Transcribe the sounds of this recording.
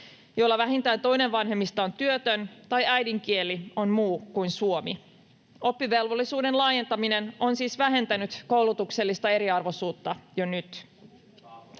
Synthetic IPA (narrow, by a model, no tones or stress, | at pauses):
jolːɑʋæɦint̪æːnt̪o̞jne̞ʋʋɑnɦemːist̪ɑont̪yøt̪ønt̪ɑjæjdiŋk̟ielio̞nmuːkujnsuomi | o̞pːiʋe̞lʋolːisuːde̞nlɑːje̞nt̪ɑmine̞no̞nsiːsʋæɦe̞nt̪ænyt̪ko̞wlut̪ukse̞lːist̪ɑe̞ɾiɑrʋo̞suːt̪ːɑjonyt̪